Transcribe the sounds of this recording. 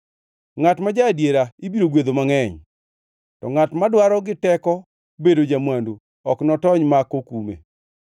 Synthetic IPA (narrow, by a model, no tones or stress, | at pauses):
ŋatmad͡ʒadjeɾaibiɾoɡwed̪omaŋɛɲ | tɔŋatmadwaɾɔɡɪtɛkɔ | bedod͡ʒamwando | ɔknɔtɔɲmakokumḛ